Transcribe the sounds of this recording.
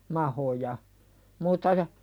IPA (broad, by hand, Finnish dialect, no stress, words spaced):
mɑhojɑ muːtːɑ jɑ